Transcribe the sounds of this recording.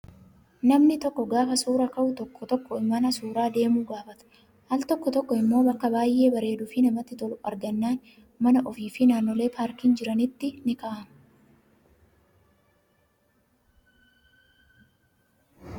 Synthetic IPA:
nɐmnɪt̪ɔkːɔɡaːfɐsuːɾɐkɐʔʊt̪ɔkːɔt̪ɔkːɔɪmːɐnɐsuːɾaːd̪e̞ːmuːɡaːfɐt̪ɐ̥ | hɐlt̪ɔkːɔt̪ɔkːɔɪmːo̞ːbɐkːɐbaːjʔe̞ːbɐɾe̞ːd̪ʊfɪnɐmɐt̪ːɪt̪ɔlʊʔɐ̰ɾɡɐnːaːn | mɐnɐʔɔfiːfɪnaːnːɔle̞ːpaːɾkiːnd͡ʒɪɾɐnɪt̪ːɪnɪkaːʔɐmʊ

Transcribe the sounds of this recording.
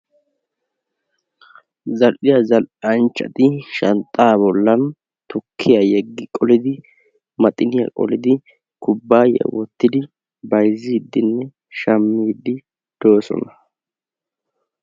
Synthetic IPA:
zɐlʔɪjɐzɐlɐnt͡ʃːɐ̰t̪ɪʃɐnt̪ʼːaːbɔlːɐn | t̪ʊkʰːɪjɐjɛɡːɪkʼɔlɪd̪ɪ | mɐt̪ʼɪnɪjɐ̰kʼɔ̰lɪd̪ɪ | kʊbːaːjɛ̰wɔt̪ːɪd̪ɪ | bɐjzɪd̪ːɪnːɛ | ʃɐmːid̪ːɪ | d̪̥oːsɔ̰nɐ

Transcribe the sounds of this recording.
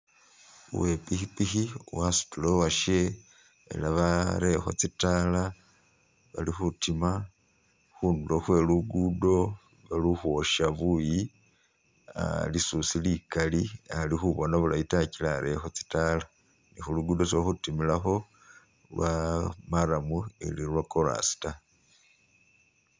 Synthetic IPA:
ṵwe̞pixipixiwasu̥tulowaʃe | ḛlaβaɾe̞xo̞̰t͡sitala | βa̰lixutima | xuːnduloxwe̞luɡudo̞ | βaluxuoʃaβuji | a̰lisusilikalialixuβo̞naβulaitacilaɾe̞xo̞t͡si̥tala | nixuluɡudos̬ioxutimilaxo̞ | lwamaɾamuḛlilwakoɾa̰si̥ta

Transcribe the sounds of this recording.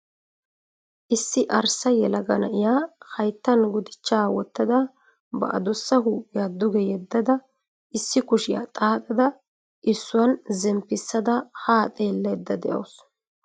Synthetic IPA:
ʔɪsːɪʔɐɾsɐjɛlɐɡɐnɐʔɪjaːhɐjt̪ːɐnɡʊd̪ɪt͡ʃːaːwɔt̪ːɐd̪ɐ | bɐ̰ʔɐ̰d̪ɔsːɐhuːjad̪ʊɡɛjɛd̪ːɐd̪ɐ | ʔɪsːɪkʊʃɪja̰t̪ʼaːt̪ʼɐd̪ɐ | ʔɪsːʊwɐnzɛmpːɪsːɐd̪ɐhaːt̪ʼe̞ːlːɐd̪ːɐd̪ɛʔɐ̰ws

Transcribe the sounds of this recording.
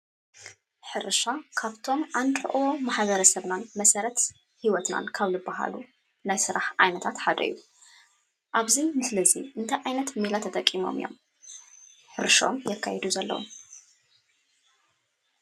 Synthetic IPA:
ħɨɾʃakʰaβt̪ʰo̞mʔand̪ɨʔwomaħβɐɾɐsɐβnanmɐsɐɾɐt̪ | hiwɔt̪na̰nkʰaβlɨbːaɦa̰lu | najsɨɾaħʔajnɐt̪ʰat̪ħad̪ɐ̰jːu | ʔaβzinɨsɨlɐziʔɨnt̪ʰɐjʔajnɐt̪milat̪ʰɐt̪ʼɐkʼːimo̞̰mɨ̰jo̞̰m | ħɨɾʃao̰mjɛkʰːajɛd̪uzɐlːɐ̰wo̰m

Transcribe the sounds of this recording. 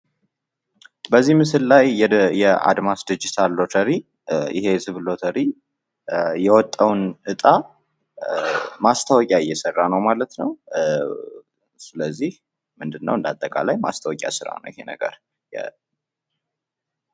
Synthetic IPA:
bəzːihmɨsɨllajːɛjɛa̰d̪masd̪id͡ʒit̪ʰalːo̞t̪ʰəɾi | ʔɪ̰he̞sɨβlo̞t̪ʰəɾi | jɛwɔt̪ʼːəwnʔɨt̪ʼa | mast̪ʰəwɔkʼaɪjːɛsərːanəwmalət̪nəw | sɨləzːih | mɨnd̪ɨnːə̰wɨnd̪at̪ʼːəkʼa̰lajma̰st̪ʰəwɔkʼja̰sɨɾa̰nə̰wjɪhe̞nə̰ɡə̰ɾ | jɛ̰

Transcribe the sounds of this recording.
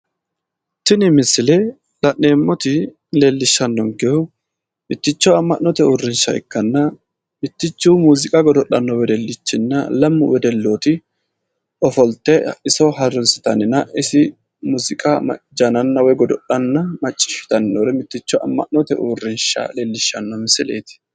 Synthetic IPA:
t̪ɪnɪmɪsːɪlɛ | lɐʔeːmːɔt̪ɪ | leːlːɪʃːɐnːɔŋɡɛhʊ | mɪt̪ːɪt͡ʃːɔɐmːɐʔnːɔt̪ɛuːrːɪnʃɐ̰ɛ̰kːɐnːɐ | mɪt̪ːɪt͡ʃːuːmuːzɪkʼɐɡɔd̪ɔɗɐnːɔwɛd̪ɛlːɪt͡ʃːɪnːɐlɐmːʊwɛd̪ɛlːoːt̪ɪ | ɔfɔlt̪ːɛɪsɔɦɐrʊnsɪ̥t̪ɐ̰nɪnɐʔɪsɪ | muːzɪkʼamɐ̰d͡ʒɐnɐnːɐwɔjɡɔd̪ɔɗɐnːɐmɐt͡ʃʼːɪ̥ʃɪ̥t̪ɐnːɔɾɛmɪt̪ːɪt͡ʃːɔʔɐ̰mːɐ̰ʔnɔt̪ɛʔṵːrːɪnʃɐ̰leːlːɪʃːɐnːɔmɪsɪlḛːt̪ɪ̥

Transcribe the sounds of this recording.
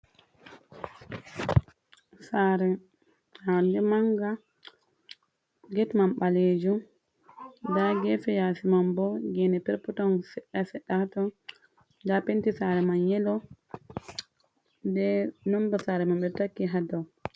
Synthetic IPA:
saɾɛ | adɛmaŋɡa | ɡɛtmamɓaled͡ʒu | daɡɛfɛjasimambɔɡɛnɛpɛɾputɔnsɛɗasɛɗːahatɔ | dapentisaɾɛmanjɛlɔ | dɛnɔmbasaɾɛmamɓɛtakːiɦadaw

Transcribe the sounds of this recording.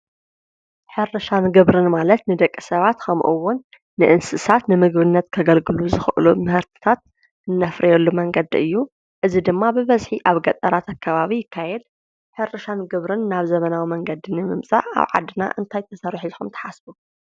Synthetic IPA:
ħɨɾɐʃanɡɨβɾɨnmalɐt̪nɨd̪ɐkʼːisɐβat̪kʰɐmʔuwʊnː | ɨʔɨnsɨsat̪nɨmɨɡbɨnːɐt̪kʰɐɡɐlɡɨluzɨxʔɨlumɨhɨɾt̪ʰɨ̥t̪ʰat̪̚ | ɨnːɐfɾʔijɛlːumɐŋɡɐd̪iʔɨjːu | ʔɨzid̪ɨmːabɨβɐzħiʔaβɡɐt̪ʼɐɾat̪akʰːɐβaβijɪkʰːajɛd̪̚ | ħɨɾɐʃanɡɨβɾɨnːaβzɐmɐnawimɐŋɡɐd̪inɨmɨmsʼa̰ʔa̰βʕa̰d̪ɨna̰ʔɨnt̪ʰajt̪ʰɐsɐɾħzħumt̪ʰɐ̥ħasbu

